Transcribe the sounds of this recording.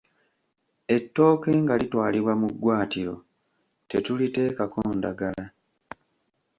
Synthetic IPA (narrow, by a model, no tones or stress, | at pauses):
e̞tːo̞ːke̞ːŋɡalitwaːliβwamuɡwaːtiɾo̞̰ | te̞tulite̞ːkakoːnda̰ɡala